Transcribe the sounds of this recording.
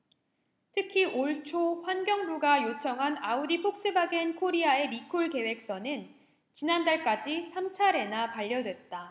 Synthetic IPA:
tʰɯkʰiʔoɭt͡ɕʰoɸwanɡjʌŋbuɡajot͡ɕʰʌŋɦanaudipʰok̚s͈ɯbaɡenkʰoɾiae̞ɾikʰoɭke̞we̞k̚s͈ʌnɯn | t͡ɕinandaɭk͈ad͡ʑisʰamt͡ɕʰaɾe̞napaʎːʌdwe̞t̚t͈a

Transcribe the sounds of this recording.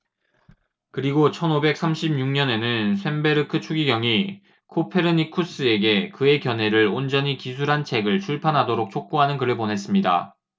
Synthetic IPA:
kɯɾiɡot͡ɕʰʌnobe̞k̚s͈ʰamɕʰib̚ɲuŋɲʌne̞nɯnsʰe̞mbe̞ɾɯkʰɯt͡ɕʰuɡiɡjʌŋi | kʰopʰeɾɯnikʰus͈ɯe̞ɡe̞kɯe̞kjʌnɦe̞ɾɯɭond͡ʑʌɲikisʰuɾɦant͡ɕʰe̞ɡɯɭt͡ɕʰuɭpʰanɦadoɾok̚t͡ɕʰok̚k͈uɦanɯnkɯɾɯɭponɦe̞s͈ɯmɲida̰

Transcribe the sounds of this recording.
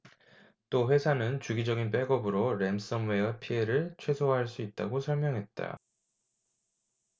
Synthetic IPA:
t͈oɸwe̞sʰanɯnt͡ɕuɡid͡ʑʌɡinp̬͈eɡʌbɯɾoɾe̞ms͈ʌnwe̞ʌpʰieɾɯɭt͡ɕʰwe̞sʰoaɦaɭs͈uit̚t͈a̰ɡosʰʌɭmjʌŋɦe̞t̚t͈a̰

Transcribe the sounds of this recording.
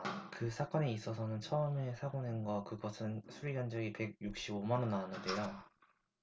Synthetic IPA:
kɯsʰak͈ʌneis͈ʌs̬ʰʌnɯnt͡ɕʰʌɯme̞sʰaɡonenɡʌkɯɡʌsʰɯnsʰuɾiɡjand͡ʑʌɡipe̞ɡ̚juk̚ɕ͈ibomanʌnːaanːɯnde̞jo

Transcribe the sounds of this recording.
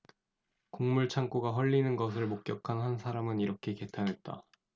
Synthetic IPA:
koŋmuɭt͡ɕʰaŋk͈oɡaɦwʌʎːinɯnɡʌs̬ʰɯɭmok̚k͈jʌkʰanɦans̬ʰaɾamɯniɾʌkʰe̞ke̞tʰanɦe̞t̚t͈a̰

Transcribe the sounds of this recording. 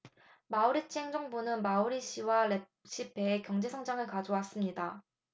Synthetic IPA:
mauɾit͡ɕʰieŋd͡ʑʌŋbunɯnmauɾiɕ͈ʰiwaɾe | ɕ͈ipe̞ːkjʌŋd͡ʑe̞sʰʌŋd͡ʑaŋɯɭkad͡ʑowas͈ɯmɲida

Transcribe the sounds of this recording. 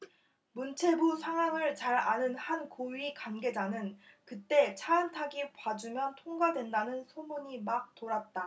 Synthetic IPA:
munt͡ɕʰe̞busʰaŋɦwaŋɯɭt͡ɕaɾanɯnhankoɥikwanɡe̞d͡ʑanɯnkɯt͈e̞t͡ɕʰaːntʰaɡipad͡ʑumjʌntʰoŋɡadwe̞ndanɯnsʰomuɲimak̚toɾat̚t͈a

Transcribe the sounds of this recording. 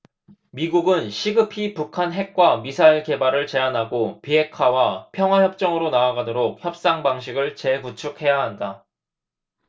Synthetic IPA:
miɡuɡɯnɕʰiɡɯpʰipukʰanɦe̞k̚k͈wamisʰaiɭke̞baɾɯɭt͡ɕe̞anɦaɡopiɦe̞kʰwawapʰjʌŋɦwajʌp̚t͡ɕ͈ʌŋɯɾonaːɡadoɾok̚çjʌp̚s͈aŋbaŋɕ̬ʰiɡɯɭt͡ɕe̞kut͡ɕʰuk̚he̞jaɦanda

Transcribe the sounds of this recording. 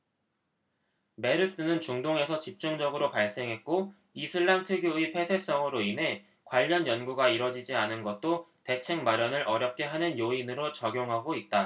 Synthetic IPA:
me̞ɾɯs͈ɯnɯnt͡ɕuŋdoŋe̞sʰʌt͡ɕip̚t͡ɕ͈uŋd͡ʑʌɡɯɾopaɭs͈e̞ŋɦe̞t̚k͈o | isʰɯɭːamtʰɯɡjoipʰe̞sʰe̞s͈ʌŋɯɾoinɦe̞ | kwaʎːʌnjʌnɡuɡaiɾʌd͡ʑid͡ʑianɯnɡʌt̚t͈ote̞t͡ɕʰe̞ŋmaɾjʌnɯɾʔʌɾjʌp̚k͈e̞ɦanɯnjoinɯɾot͡ɕʌɡjoŋɦaɡoit̚t͈a

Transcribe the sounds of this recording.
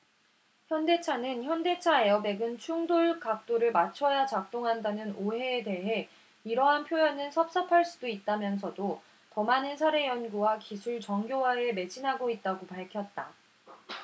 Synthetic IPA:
çjʌnde̞t͡ɕʰanɯnçjʌnde̞t͡ɕʰae̞ʌbe̞ɡɯnt͡ɕʰuŋdoɭkak̚t͈oɾɯɭmat͡ɕʰʌjat͡ɕak̚t͈oŋɦandanɯnoɦe̞ːde̞ɦe̞ | iɾʌɦanpʰjojʌnɯnsʰʌp̚s͈ʌpʰaɭs͈udoit̚t͈amjʌns̬ʰʌdo | tʌmanɯnsʰaɾe̞jʌnɡuwakisʰuɭt͡ɕʌŋɡjowae̞me̞d͡ʑʰinɦaɡoit̚t͈aɡopaɭkʰjʌt̚t͈a

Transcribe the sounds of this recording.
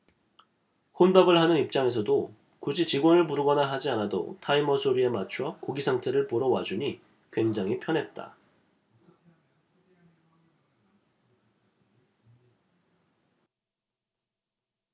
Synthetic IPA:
ɸonbaɡɯɭhanɯnip̚t͡ɕ͈aŋe̞s̬ʰʌdo | kud͡ʑit͡ɕiɡwʌnɯɭpuɾɯɡʌnaɦad͡ʑianado̰tʰaimʌsʰoɾie̞mat͡ɕʰwʌkoɡisʰaŋtʰe̞ɾɯɭpoɾʌwad͡ʑuɲi | kwe̞ŋd͡ʑaŋipʰjʌnɦe̞t̚t͈a̰

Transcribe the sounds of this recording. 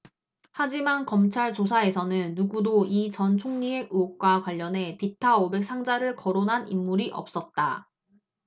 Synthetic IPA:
had͡ʑimankʌmt͡ɕʰaɭt͡ɕosʰae̞sʰʌnɯnːuɡudoit͡ɕʌnt͡ɕʰoŋɲieɡuk̚k͈wakwaʎːʌnɦe̞pitʰaobe̞k̚s͈ʰaŋd͡ʑaɾɯɭkʌɾonɦanimːuɾiʔʌ̰p̚s͈ʌt̚t͈a

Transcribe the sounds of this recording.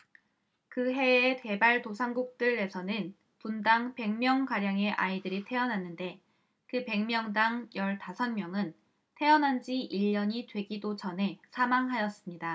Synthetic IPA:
kɯɦe̞ete̞baɭtosʰaŋɡuk̚t͈ɯɭːe̞sʰʌnɯn | pundaŋpe̞ŋmjʌŋkaɾjaŋe̞ʔaidɯɾitʰe̞ʌnanːɯnde̞ | kɯpe̞ŋmjʌŋdaŋjʌɭtasʰʌnmjʌŋɯn | tʰe̞ʌnɦand͡ʑiʔiʎːʌɲitwe̞ɡidot͡ɕʌnɦe̞sʰamaŋɦajʌs͈ɯmɲida

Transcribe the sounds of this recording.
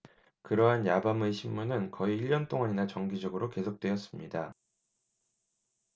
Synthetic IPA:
kɯɾʌɦanjabamɯɕʰimːunɯnkʌiːʎːʌnt͈oŋaɲinat͡ɕʌŋɡid͡ʑʌɡɯɾoke̞sʰok̚t͈we̞ʌs͈ɯmɲida

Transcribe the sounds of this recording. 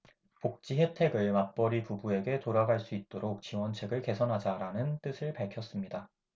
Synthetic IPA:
pok̚t͡ɕ͈iɦe̞tʰe̞ɡɯɭmak̚p͈ʌɾikubue̞ɡe̞toɾaɡaɭs͈uit̚t͈oɾok̚t͡ɕiwʌnt͡ɕʰe̞ɡɯɭke̞sʰʌnɦad͡ʑaɾanɯnt͈ɯsʰɯɭpaɭkʰjʌs͈ɯmɲida

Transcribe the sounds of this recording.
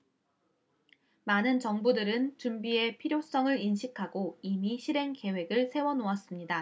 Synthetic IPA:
manɯnt͡ɕʌŋbudɯɾɯnt͡ɕumbie̞pʰiɾjos͈ʌŋɯɾinɕʰikʰaɡoimiɕʰiɾe̞ŋke̞we̞ɡɯɭsʰe̞wʌnoas͈ɯmɲida

